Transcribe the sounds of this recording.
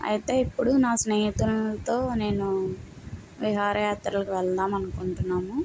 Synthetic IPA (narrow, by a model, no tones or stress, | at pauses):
ɐ̰jit̪e̞ːipːuɽunaːsnɐjit̪umt̪o̞ːne̞ːnu | ʋiɦaːɾɐjaːt̪ɾɐlɐkuʋɛlt̪aːmɐnukuɳʈunːaːmu